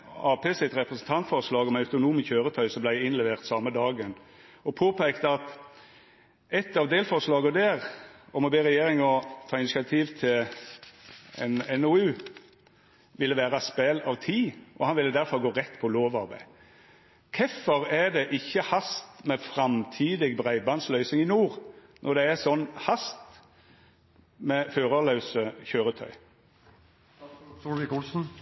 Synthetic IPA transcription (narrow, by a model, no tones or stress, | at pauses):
ɑːpʰeːsɪt̪ʁɛpʁəsən̩t̪ʰɑnt̪fɔʁslɑːɡɔmɑʉt̪ʊnuːmçøːɾət̪ʰœʏsɔmblæɪɪnlɛʋeːʁt̪sɑmːəd̪ɑːɡən | ɔpʰoːpʰæɪkt̪əɑt̪ | ɛt̪ːɑʋd̪eːlfɔʂlɑːɡəd̪æːɾɔmɔbeːʁɛjeːɾɪŋɔt̪ʰɑːɪnɪsɪɑt̪ʰiːʋt̪ʰɪl | ɛ̰nɛnʊʉː | ʋɪlːəʋæːʁɑspɛlɑʋt̪ʰiːʔɔhɑnʋɪlɪd̪æɾfɑlɡoːɾɛt̪ːpʰɔloːʋɑɾbæ̰ɪ | kʰɛfːɔɾæd̪ɛʔɪçːəhɑst̪mɛfʁɑmt̪ʰiːd̪ɪɡbʁæɪbɑnslœʏsɪŋɪnuːʁnʔɔ̰ʁd̪ɛːsɔnːhɑst̪ | mɛføːɾɑlɑʉsəçøːɾət̪ʰœ̰ʏ | ɪkʊlsn̩